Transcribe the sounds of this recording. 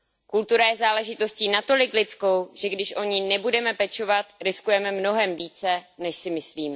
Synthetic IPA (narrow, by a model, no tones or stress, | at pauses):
kult̪uɾajɛzaːlɛʒɪt̪o̞sciːnat̪o̞lɪklɪt͡sko̞wʒ̥ɛɡdɪʃʔo̞ɲɪnɛbudɛmɛpɛt͡ʃovat̪ɾɪskujɛmɛmno̞ɦɛmviːt͡sɛnɛʃsɪmɪsliːmɛ